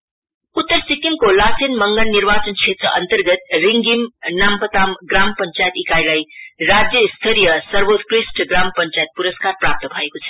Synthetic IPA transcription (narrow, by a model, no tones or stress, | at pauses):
ut̪ːəɾsikiŋkolasʰenmʌŋɡʌnnːiɾbat͡sʌnt͡sʰet̪rʌʔʌ̰nt̪ʌrɡʌt̪riŋɡimnampət̪amɡrampʌnt͡sajt̪ikajlajrad͡zjʌst̪ʰʌɾijʌsʌrbot̪krisʈɡrampʌnt͡sajet̪̚puɾʌskarprap̚t̪ʌbʱʌekot͡sʰʌ̥